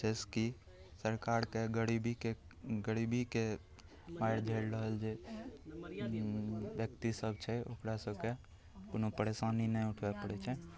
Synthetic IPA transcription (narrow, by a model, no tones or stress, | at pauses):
d͡ʒeski | səɾkaɾkeɡəɾibike | ɡəɾibike | ʋaɪɽd͡ʒʱelɾəɦəld͡ʒe | bjək̚t̪isəbt͡ʃʰɛokɾasəbke | konopəɾesaninɛʊʈʰʋɛpəɽɛt͡ʃʰɛ